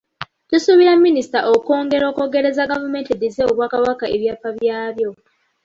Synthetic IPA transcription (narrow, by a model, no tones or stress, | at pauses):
tusuβiɾamːinisi̥taʔoko̞ːŋɡe̞ɾo̞ːko̞ɡe̞ɾe̞zaɡavume̞ːntidizeoβwaːkawakaʔeβjaːpːaβjaːβjo̞